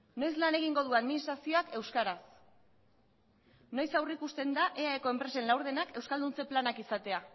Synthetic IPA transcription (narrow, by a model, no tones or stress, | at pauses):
no̞jslane̞ɣ̞iŋɡo̞ð̞uaðminist̪ɾasio̞akʰe̞wskaɾas | no̞jsawrikust̪e̞nd̪aʔe̞aekoe̞mpɾe̞se̞nlawɾð̞e̞nake̞wskald̪unt͡se̞planakisat̪e̞a